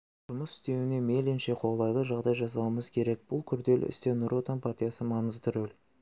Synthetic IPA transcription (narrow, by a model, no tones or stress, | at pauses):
ʒ̥ʊməsɪ̥st̪e̞wɪne̞me̞lenʃe̞qʰo̞lˠɑjlˠəʒɑʁd̪ɑjʒɑs̬ɑwəməzkʲʰe̞ɾe̞k̚b̥ʊlˠkʲʰʏɾd̪e̞lʏ̰st̪e̞nʊɾʔot̪ɑnpʰart̪ʲijasəmɑnəzt̪əɾɵl